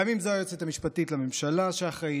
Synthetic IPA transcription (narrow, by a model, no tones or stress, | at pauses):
amimzajot͡set̪amiʃpatitlamemʃalaʃeaχʁe